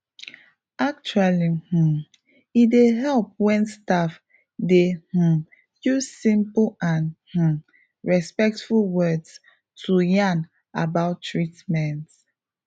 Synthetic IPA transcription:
ak̚t͡ʃualih̩ | ideɦɛlp̚wɛ̃nstaf | deh̩ | juzsĩmpãnh̩ | ɹɛspɛk̚tfulwɜds | tʰujãn | abaʊtʰːɹitmɛ̃nt

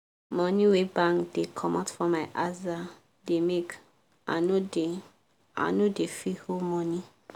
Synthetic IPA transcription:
mɔ̃niwebãŋkd̥ekʰɔmatfɔ̃mːaɪʔaza | demek | a̰node | a̰nodefiholmɔni

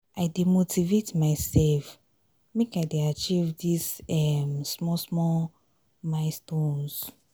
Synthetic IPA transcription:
ʔaɪdemotʰivetmaɪsɛlf | mekaɪdeat͡ʃivdisɛmsmɔsmɔ | maɪstõns

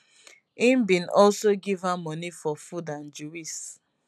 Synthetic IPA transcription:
ĩmbĩnɔlsoɡivamɔnifɔfudãnd͡ʒuwis

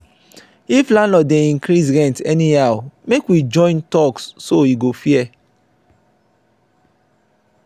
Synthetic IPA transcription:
iflãnlɔdɛ̃ĩŋkɾisɾɛ̃ntɛnĩawmekwid͡ʒɔ̃ɪ̃ntɔksːoiɡofiɛ

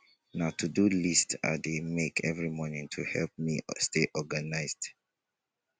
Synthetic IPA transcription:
naʊtʰudulista̰demekʰɛvɹimɔnĩŋtʰuhɛlp̚misteʔɔɡanaɪzd

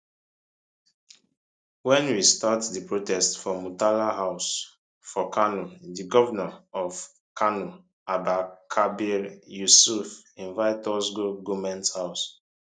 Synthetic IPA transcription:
wɛ̃nwistatdipɹotɛstfɔmutalaɦaʊs | fɔkʰanudiɡɔvanaɔv | kʰanu | abakʰabiɾjusufĩnvaɪtɔsɡoɡumɛ̃nthaʊs

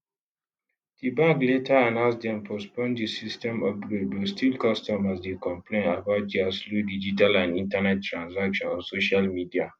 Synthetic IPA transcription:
d̥ibaɡletʰaanãʊ̃nsdɛ̃mpʰɔspɔ̃ndisistɛ̃mɔfɡɾed̚bɔstʰilkɔstɔmasdekɔ̃mplẽnabaʊt̚d͡ʒiasludid͡ʒitalãnĩntanɛttːɹãnsakʃɔ̃nɔ̃nsoʃalmidia

